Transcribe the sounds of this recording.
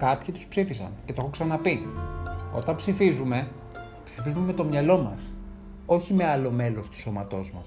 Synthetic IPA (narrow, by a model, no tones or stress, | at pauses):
kɐpçit̪u̥spsifisɐ̰ncet̪oxoksɐnɐpi | o̞̰t̪ɐmpsifizume̞ | psi̥fizumemet̪o̞mɲɐlo̞mɐs | o̞çime̞ɐlo̞me̞lo̞st̪u̥so̞mɐt̪o̞zmɐ̰s